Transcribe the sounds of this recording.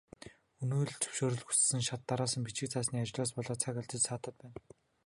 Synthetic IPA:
ɵnuːɮt͡ɕʰɵ̥wʃoːɾɵ̆ɮxu̥t͡s̆sɘ̆ŋʃat̪ːaɾaːsə̆mpit͡ɕɪ̆k̚t͡sʰaːsniːat͡ɕ̆ɮaːspɔɮɔːt͡sʰakaɮt͡ɕ̪ə̆t͡ɕsaːt̪ə̆t̪̚pæːn

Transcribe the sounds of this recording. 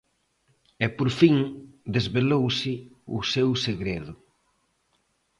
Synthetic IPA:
ɛpoɾfiŋd̪ezβelowsɪusewseɣɾeðʊ

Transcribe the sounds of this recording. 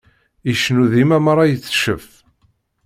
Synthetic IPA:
iʃnuðimæmɾˤɑjət͡sːʃəf

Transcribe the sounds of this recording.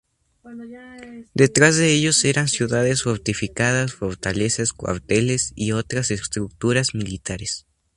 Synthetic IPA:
d̪e̞t̪ɾazðe̞eʝo̞se̞ɾansjuðaðe̞sfoɾt̪ifikað̞asfo̞ɾt̪ale̞saskwa̰ɾt̪e̞le̞sio̞t̪ɾasest̪ɾuk̚t̪uɾazmilit̪aɾes

